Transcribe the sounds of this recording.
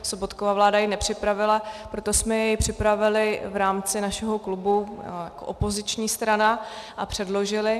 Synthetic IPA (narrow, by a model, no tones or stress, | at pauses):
sobot̪kovaːvlaːdajɪnɛpr̝̥ɪpɾavɪlapɾot̪osmɛjɛjpr̝̥ɪpɾavɪlɪvɾaːmt͡sɪnaʃɛɦo̞klubujako̰ʔopo̞zɪt͡ʃɲiːst̪ɾanaʔapr̝̥ɛdlo̞ʒɪlɪ